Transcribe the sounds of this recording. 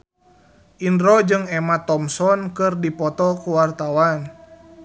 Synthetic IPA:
ʔindɾɔd͡ʒɨŋɛmat̪ɔmsɔnkɨrdipɔt̪ɔkuwart̪awan

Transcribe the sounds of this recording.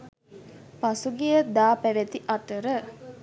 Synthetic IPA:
pɐsuɡijɐd̪aːpæʋet̪iʔɐt̪əɾə

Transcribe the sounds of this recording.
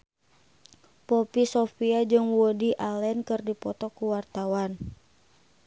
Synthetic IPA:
pɔpisɔfiad͡ʒɨŋwɔdiʔalɛnkɨrdipɔt̪ɔkuwart̪awan

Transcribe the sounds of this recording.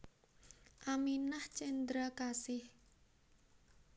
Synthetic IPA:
ʔaminaht͡ʃɛnd̪ɾakasɪh

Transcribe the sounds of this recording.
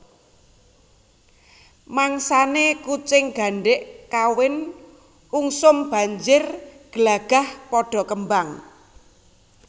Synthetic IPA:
maŋsanekut͡ʃɪŋɡ̥a̤ɳɖɪʔkawɪn | uŋsʊmb̥a̤ɲd͡ʒɪrɡ̥əlaɡ̥a̤hpɔɖ̥ɔ̤kəmbaŋ

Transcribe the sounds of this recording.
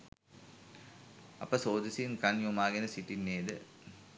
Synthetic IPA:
ɐ̰pəsoːd̪isinkɐnjumaːɡenəsiʈinːeːd̪ɨ

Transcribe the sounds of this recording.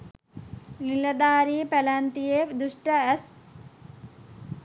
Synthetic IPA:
nilɐd̪aːɾipɐlant̪iefd̪uʂʈɐɐs

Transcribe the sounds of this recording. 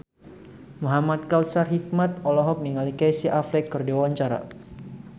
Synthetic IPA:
muɦamat̪̚kaw̪sarɦik̚mat̪̚ɔlɔɦɔk̚niŋalikajsiʔaflɛkːərdiwawaɲt͡ʃaɾa̰

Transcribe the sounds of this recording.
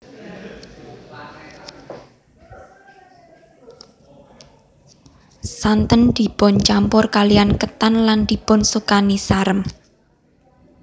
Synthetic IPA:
sant̪ənd̪̥i̤pʊnt͡ʃampʊrkalijankət̪anland̪̥i̤pʊnsukanisaɾəm

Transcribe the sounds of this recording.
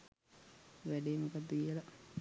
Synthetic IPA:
ʋæɖeːmokad̪ːəɡijela

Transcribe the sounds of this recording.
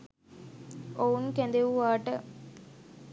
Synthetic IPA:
ounkɛ̃nd̪eʋuʋaːʈə

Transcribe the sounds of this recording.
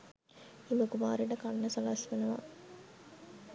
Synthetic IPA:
iməkumaːɾeɖəkanːɐsɐlasʋenɐʋa̰

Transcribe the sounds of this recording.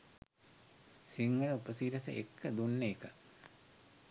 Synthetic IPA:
siŋɡənəupəsiːɾɐsə̰ʔekːəd̪unːeːkə

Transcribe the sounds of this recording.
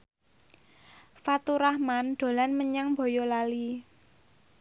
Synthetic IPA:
fat̪uɾahmanɖ̪̥o̤lanməɲaŋb̥o̤jolali

